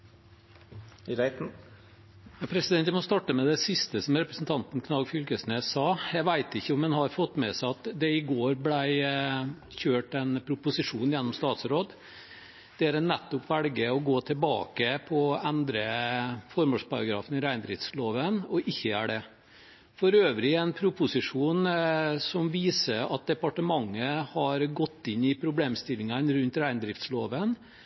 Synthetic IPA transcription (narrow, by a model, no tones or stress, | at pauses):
pʰɾɛsɪd̪ɛnt̪jæmɔst̪ɑʈːəmɛd̪ɛsɪst̪əsɔmɾɛpɾəsn̩t̪ʰɑnt̪n̩kʰnɑlɡfʏlkəsneːsɑːjæɪʋæɪt̪ɪçːəɔmɛnhɑɾfɔt̪ːmɛsæɪɑt̪d̪ɛɪɡoːɾblæɪ | çøːʈɛnpʰɾʊpʊsɪʂuːnjɛnːɔmst̪ɑːt̪sɾoːd̪ | d̪̥ɛæɾɛnːɛt̪ːɔpʋælɡəɔɡoːt̪ʰəlbɑ̰ːkəpʰɔænd̪ɾəfɔɾmoʂpɑɾɑɡɾɑ̰ːfənɪɾæɪnd̪ɾɪft̪sloːʋənɔʔɪçːəæ̰ɖɛ | fɔɾøːʋɾɪɛnpʰɾʊpʊsɪʂuːnsɔmʋiːsəɾɑt̪̚d̪ɛpɑʈəmɑŋːəhɑɾɡɔt̪ːɪnːɪpʰɾʊbleːmst̪ɪlɪŋənɾʉnt̪ɾæɪnd̪ɾɪft̪sloːʋən